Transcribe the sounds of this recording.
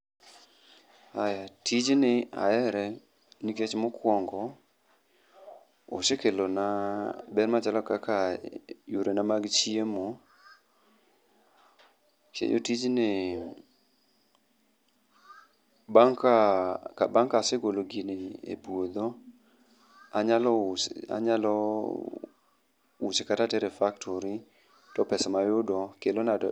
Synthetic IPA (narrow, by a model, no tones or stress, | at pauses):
ajatid͡ʒnɪa̰ɛɾɛ | niket͡ʃmokʰwɔŋɡɔ | o̰ʃekelonabɛɾmat͡ʃalɔkakajuɾʔenamaɡt͡ʃiemo | t͡ʃḛjo̰tid͡ʒnɪ | baŋkakabaŋkasɪɡoloɡineḛbod̪o | aɲalɔsa̰ɲalɔ | ut͡ʃekatatɛɾɛfaktʰoɾi | tɔpɛsamajʊdɔkelona